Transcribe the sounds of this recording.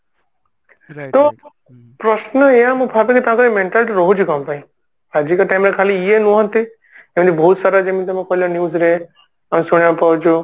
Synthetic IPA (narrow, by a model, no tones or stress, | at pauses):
t̪o | pɾɔsnəejãmũpʰabekit̪ããkɔɾemeɳʈalʈiɾɔɦud͡ʒʰikampaĩ | ɾad͡ʒikɔʈajmɾekʰaliːenũɦɔ̃nt̪i | emit̪ibʱɔɦut̪saɾad͡ʒemit̪ɔmẽkʰɔlɔnjuːzɾe | amesuɽ̃japaut͡ʃʰu